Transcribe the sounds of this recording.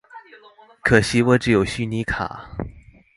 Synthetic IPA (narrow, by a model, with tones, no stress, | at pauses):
kʰɤ˨˩ɕi˧˥wɔ˧˥ʈ͡ʂɻ̩˥˩jo˨˩ʊɕy˥˩ni˧˥kʰa̰˨˩˦